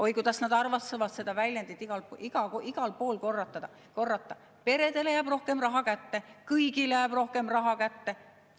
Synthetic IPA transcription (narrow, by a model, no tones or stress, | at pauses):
ʔo̞jkut̪ɑsnɑd̪̥ɑrvɑsevɑt̪se̞d̪̥ɑvælʲjænd̪it̪iɡɑliɡ̥ɑoʔiɡ̥ɑlpo̞ːlko̞rːɑt̪ːˑɑd̪̥ɑ | ko̞rːɑt̪ːˑɑ | pe̞ɾe̞d̪̥e̞lejæːb̥ro̞hke̞mrɑɦɑkæt̪ːe̞kɯjɡilejæːb̥ro̞hke̞mrɑɦɑkæt̪ːe̞